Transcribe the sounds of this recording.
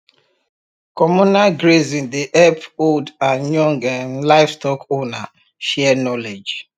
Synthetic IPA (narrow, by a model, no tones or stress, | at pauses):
kɔmunalɡɹezĩndeʔɛpoldãnjɔ̃ŋɡanlaɪfstɔkona | ʃɛɛnɔled͡ʒ